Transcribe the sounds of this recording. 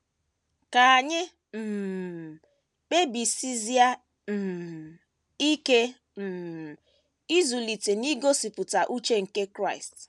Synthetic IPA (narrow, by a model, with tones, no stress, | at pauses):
ka˨a˨ɲɪ˦ | m̩˨ | k͡pe˦bi˨si˦zja˦ | m̩˨ | i˦ke˦ | m̩˨ | i˦zu˨li˨te˨ni˦ɡo˦si˨pʊ˨ta˨ʔu˦t͡ʃe˦ŋ̩˨ke˦kɾa˦˨ɪ˨st